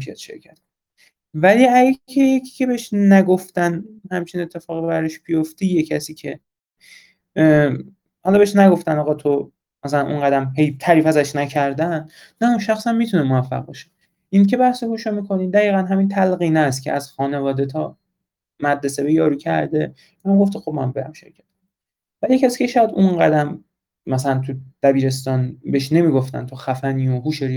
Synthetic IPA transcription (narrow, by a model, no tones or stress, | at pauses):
iæ̰t̪ʃḛɾcʰæt̪̚kon | væliːæɡæcʰejecʰi̥ːcʲʰe̞beeʃnæɡo̞ft̪ænhæmt͡ʃʰinet̪ʰːe̞fɒːɣebæɾeʃb̥ijo̞ft̪ijecʰæsiːcʰe | hɒlɒbeeʃnæɡo̞ft̪ænɒːʁɒt̪ʰo | mæsælænʔo̰ŋɢæd̪æmhe̞jt̪ʰæɾiːfæzæʃnæcʰæɾd̪ænː | æunʃæxsæmmit̪ʰunemovæfːæ̰ʁ̚bɒ̰ʃe̥ | ʔincʰe̞bæhsehuːʃomiːkʰo̞niːd̪æiːɣænɦæmint̪ʰælɣiːnæs̬t̪cʰḛæz̥xɒːne̞vɒːd̪e̞t̪ʰɒ̰ | mæd̪ɾese̞bejɒːɾuːcʰæ̰ɾd̪e | inæmɡoft̪ʰexob̚mæ̰mbeɾæ̰mʃeɾcʰæ̥t̪̚ | væliecʰæsi̥ːcʰe̞ʃɒjæd̪unɢæd̪æm | mæsælænt̪ʰud̪̥æbiːɾe̞st̪ɒːnbeʃne̞miːɡo̞ft̪æ̰nt̪ʰoxæfæniːoɦuːʃeɾ